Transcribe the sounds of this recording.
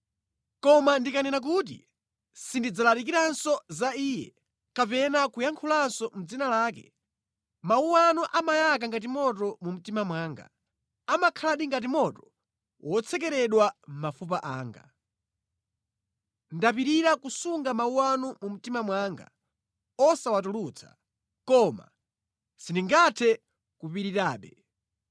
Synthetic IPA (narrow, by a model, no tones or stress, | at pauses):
kɔmandikanɛnak̬uːt̬ḭ | sindid͡zalaɾik̬iɾansɔzaiːjɛ̰ | kapɛnakujaŋkʰulansɔm̩d͡zinalaːkɛ̰ | mauwanuʔamajak̬aŋɡat̬imɔt̬ɔmum̩timamwaːŋɡa̰ | amakʰalaɗiŋɡat̬imɔtɔ̥ | wʔɔt͡sʰɛkɛɾɛɗwam̩mafup̬aʔaːŋɡa̰ | ndapiɾiɾakusuŋɡamauwanumum̩timamwaːŋɡa̰ | ɔsawatulut͡sʰḁ̰ | kɔma̰ | siniŋɡatʰɛ | kupiɾiɾaːɓɛ